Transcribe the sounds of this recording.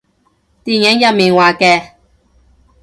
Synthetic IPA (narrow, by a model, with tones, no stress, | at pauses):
t̪iː˨njɛ˨˥ŋjɐ˨miː˨nwaː˨kɛː˧